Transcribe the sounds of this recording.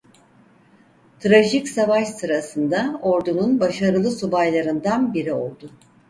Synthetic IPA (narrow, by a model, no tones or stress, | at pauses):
t̪ʰɾaʒicsavaʃsɯɾasɯnd̪ao̞ɾd̪ununbaʃaɾɯlˠɯsubajlˠaɾɯnd̪anbiɾio̞̰lˠd̪ʊ